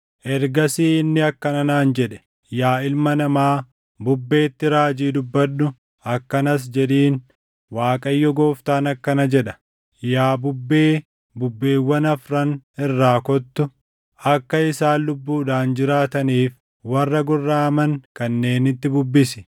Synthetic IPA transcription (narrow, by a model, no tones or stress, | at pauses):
ʔɛɾɡɐsiːɪnːɪɐkːɐnɐnaːnd͡ʒɛᶑɛ̥ | jaːɪlmɐnɐmaː | bʊbːe̞ːt̪ːɪɾaːd͡ʒiːd̪ʊbːɐᶑːʊ | ɐkːɐnɐs̬d͡ʒɛᶑiːn | waːkʼɐjːɔɡoːft̪aːnɐkːɐnɐd͡ʒɛᶑɐ̥ | jaːbʊbːeː | bʊbːeːwːɐnɐfɾɐnɪrːaːkɔt̪ːʊ | ɐkːɐɪsaːlʊbːuːᶑaːnd͡ʒɪɾaːt̪ɐniːf | wɐrːɐɡʊrːaːmɐŋkɐnːe̞ːnɪt̪ːɪbʊbːɪsɪ̥